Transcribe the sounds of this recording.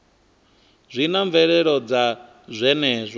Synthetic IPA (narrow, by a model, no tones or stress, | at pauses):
zʷinaɱvɛɺɛɺɔd͡za | zʷɛnɛːzʷa